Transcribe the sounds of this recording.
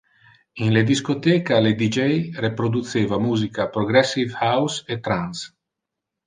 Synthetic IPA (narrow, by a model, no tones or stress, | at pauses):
inled̪iskot̪ekaled̪id͡ʒejrepɾod̪ut̪seːvamuːzikapɾoɡɾɛsːivhawset̪ɾans